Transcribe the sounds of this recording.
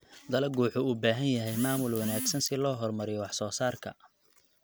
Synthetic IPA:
d̪ɐlɐɡuːħʊuːbaːɦɐnjɐɦɛjmaːmʊlwɐnaːɡsɐnsɪlɔːɦɔrmɐɾɪjɔwɑħsɔːsaːrkʰɐ̰

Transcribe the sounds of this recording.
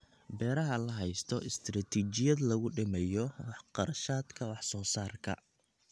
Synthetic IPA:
bɛːɾɐɦɐlɐɦɛjst̪ʰɔʔɪst̪ʰrɐt̪ʰiːt͡ʃɪjɐd̪lɐɣʊɖɪmɛjɔwɑħqɑɾɐʃaːd̪kʰɐwɑħsɔːsaːrkʰɐ̰

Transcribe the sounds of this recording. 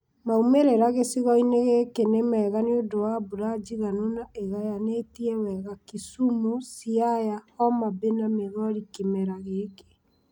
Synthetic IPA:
maumeɾeɾaɣesiɣɔineɣekenemɛːɣanodowabuɾad͡ʒiɣanunaeɣajanetiɛwɛɣakisumusiajaɔmabenameɣɔɾikimɛɾaɣeke̥

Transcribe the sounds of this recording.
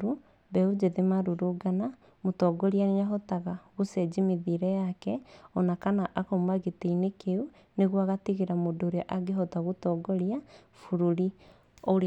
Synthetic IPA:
ɾu | bɛud͡ʒeðemaɾuɾuɡana | motɔːɡɔɾianeɲaɦɔtaɣaɣusɛd͡ʒimeðiɾɛjakɛɔnakanaʔakoːmaɣeteinekeu | neɣwaɣatiɣeɾamodoːɾeaʔaɡeɦɔtaɣotɔːɡɔɾia | fuɾuɾi | oɾ

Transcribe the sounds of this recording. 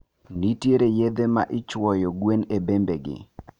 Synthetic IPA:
nitjeɾejed̪emaʔɪt͡ʃwɔjɔɡwenebembeɡɪ̰

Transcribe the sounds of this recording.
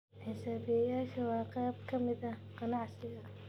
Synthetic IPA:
ħɪsaːbɪjɐjaːʃɐwɑːqɛːb̚kʰɐmɪðɐqɑnɑʕsɪɣɐ

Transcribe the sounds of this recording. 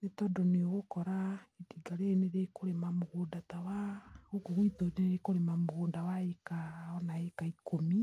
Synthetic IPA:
netɔdɔneoɣokɔɾaetiɡaɾeːneɾekoɾemamoɣondatawaokoɣwitoneeɾekoɾemamoɣoːndawaekaɔnaekaikʰomi

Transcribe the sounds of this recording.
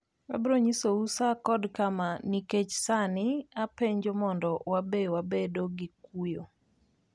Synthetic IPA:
a̰bɾoɲisousakɔdkamaniket͡ʃsanɪapeɲd͡ʒomɔndɔwabewabedoɡik̚ujo

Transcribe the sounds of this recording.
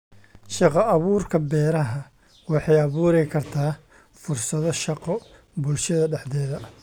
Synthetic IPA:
ʃɑqɑʔːβuːrkʰɐbɛːɾɐɦɐ | wɑħɑjɑβuːɾɛjkʰɐrt̪ʰaː | fʊrsɐðɔʃɑqɔ | bʊlʃɐðɐɖɛħd̪ɛːðɐ

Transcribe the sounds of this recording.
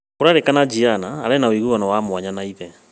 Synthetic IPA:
koɾaɾekanad͡ʒianaːɾɛnaoiɣuwanawamwaɲanaiðɛ

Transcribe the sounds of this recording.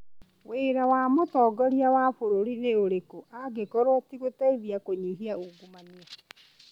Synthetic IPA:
weɾawamotɔːɡɔɾiawafoɾoɾineoɾekoʔaɡekɔɾwatiɣotaiðiakoɲiɦiauɡumania

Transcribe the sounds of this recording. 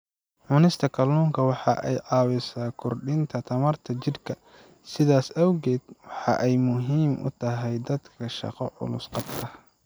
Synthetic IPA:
ʕʊnɪst̪ʰɐkʰɐlːuːŋkʰɐwɑħɑʔɛjʕɑːwɪsaːkʰʊrɖɪnt̪ʰɐt̪ʰɐmɐrt̪ʰɐt͡ʃɪrkʰɐ | sɪðaːsɐwɣɛːd̪̚wɑħɑ̰ʔɛjmʊɦiːmʔʊ̰t̪ʰɐɦɛjd̪ɐd̪kʰɐʃɑ̰qɔʕʊ̰lʊsqɑbt̪ʰɐ

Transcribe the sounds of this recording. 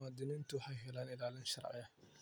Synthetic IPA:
aːd̪ɪnɪːnt̪ʰʊħɛjɦɛlaːnɪlaːlɪnʃɐrʕɪ̰jɐ

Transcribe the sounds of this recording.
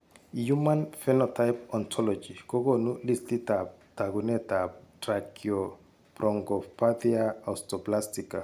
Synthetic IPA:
jumãnfɛnɔtʰajpɔ̃ntʰɔlɔd͡ʒikoɡɔnulistitataɡunɛtatɾakʰiɔ | pɾɔŋɡɔpadiaastɔplastika

